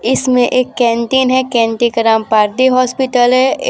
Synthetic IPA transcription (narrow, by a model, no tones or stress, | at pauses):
ɪsmẽʔeːkːɛ̃ːɳʈiːnɦɛkɛ̃ːɳʈikɐɾãːmpaːɾd̪iɦɔːspɪʈəlɦɛ